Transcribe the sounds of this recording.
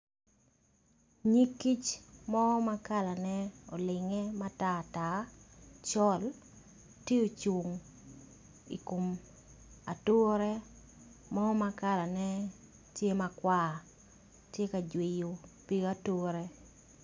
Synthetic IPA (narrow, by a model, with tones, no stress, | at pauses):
ɲi˦kːi˦t͡ʃmɔ˦ma˦ka˦la˨nɛ˦ɔ˨lɪ˨ŋɛ˦ma˦ta˦˨ta˨t͡ʃɔ˦l | tje˦o˨t͡ʃu˨ŋ | ḭ˨ko˨m | a̰˨to˦ɾɛ˦ | mɔ˦ma˦ka˦la˨nɛ˦ | tje˦ma˨kwa˦˨ | tje˦ka˨d͡ʒwe˨jo˨pi˦a˦to˦ɾe˦